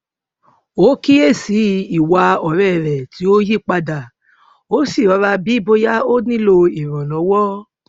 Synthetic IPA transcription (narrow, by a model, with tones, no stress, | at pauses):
o˨˦ki˦e˦˨si˨˧i˨wa˧ɔ˨ɾɛ˦˨ɾɛ˨ti˨˦o˦ji˦˨k͡pa˧da˨ | o˦si˦˨ɾɔ˨˧˦ɾa˧bi˦i˦˨bo˧ja˦o˦nĩ˦lo˧i˨ɾ̃ɔ̃˨lɔ̃˨˦wɔ˦